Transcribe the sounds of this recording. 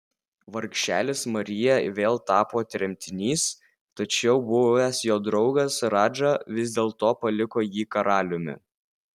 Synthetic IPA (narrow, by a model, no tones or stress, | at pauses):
ʋɐɾkʃʲæ̰ːlʲɪsmɐɾʲɪjɛʋʲeːlˠt̪ɑːpoːt̪ʲɾʲɛmʲt̪ʲɪnʲiːs | t̪ɐt͡ʃʲɛʊbʊɛsjoːd̪ɾɒʊɡɐsɾɑːd͡ʒɐʋʲɪzʲd̪ʲeːlˠt̪oːpɐlʲɪkoːjiːkɐɾɑːlʲʊmʲɪ̰